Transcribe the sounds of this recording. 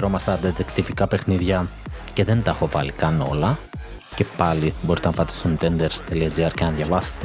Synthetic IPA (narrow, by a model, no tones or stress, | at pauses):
ɾomɐsɐd̪ɐt̪ekt̪ivikɐpe̞xniðʝɐ | ce̞ðe̞nt̪ɐxovɐlikɐno̞̰lɐ | ce̞pɐlibo̞ɾit̪enɐpɐt̪i̥sunt̪end̪eɾst̪eliɐd͡ʒiɐɾcenɐðjɐvɐse̥t̪e